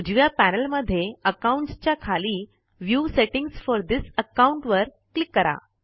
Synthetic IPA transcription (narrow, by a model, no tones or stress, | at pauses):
ud͡ʑʋjapænəlməd̪ʱːjeəkauɳʈst͡ɕjakʰaliː | ʋjuːseʈiŋɡsfɔɾd̪isəkauɳʈʋəɾ | klikːəɾa̰